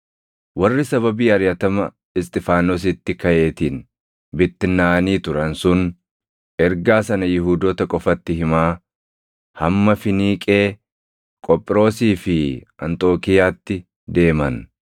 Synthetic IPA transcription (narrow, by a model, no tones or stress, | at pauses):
wɐrːɪsɐβɐbiːɐɾjɐt̪ɐmɐ | ɪst̪ʼɪfaːnoːs̬ɪt̪ːɪkɐʔe̞ːt̪iːn | bɪt̪ːɪnːaːniːt̪ʊɾɐnsʊn | ʔɛɾɡaːsɐnɐjɪɦuːd̪ɔt̪ɐkʼɔfɐt̪ːɪɦɪmaː | hɐmːɐfɪniːkʼe̞ː | kʼɔpʼːɪɾo̞ːsiːfɪʔɐ̰nt̪ʼo̞ːkɪjaːt̪ːɪ | d̪e̞ːmɐn